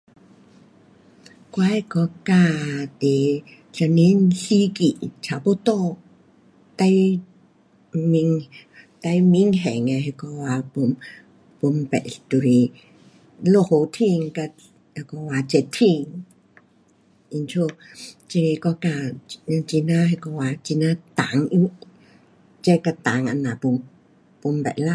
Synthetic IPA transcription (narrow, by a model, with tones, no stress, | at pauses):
kwa˧˦jkɔ˧˦ka˧t̪e˨ | ɬa˧ni˧˥nɬi˧˦ki˨t͡ʃʰa˨po˧˦t̪ɔ˧ | t̪a˧j | mi˧ŋt̪a˧jmi˧˦ŋɦɛ˨ŋa˧ɦɛ˧kɔ˧wa˧po˧m | po˧mpɛ̰˨ʔɬt̪u˧ɾi˧ | lo˧ho˧t̪ʰi˧ŋka˧ | a˧kɔ˧waː˧t͡ʃɛ˧t̪ʰi˧ŋ | ʔi˧nt͡ʃʰo˧t͡ʃi˧i˧kɔ˧ka˧t͡ʃi˧na˧ha˧kɔ˧wa˧t͡ʃi˧na˧t̪a˨˦ŋi˧˦ | t͡ʃɛ˧ka˧t̪a˨˦ŋʔa̰˧na˨pu˧m | po˧mbɛ̰˨ʔla˧